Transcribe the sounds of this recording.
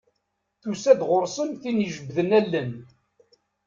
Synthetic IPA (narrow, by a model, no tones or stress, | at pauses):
θusæd̪ʁʊɾˤsˤənθinəʒəbðənælːən